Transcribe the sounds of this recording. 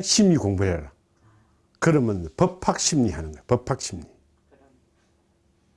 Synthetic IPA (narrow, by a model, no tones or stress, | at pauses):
ɕʰimɲikoŋpajar | kʰəɾəmənpʰəppʰak̚ɕʰip̚niɦanaŋpʰəp̚pʰak̚t͡ɕʰipm̚ni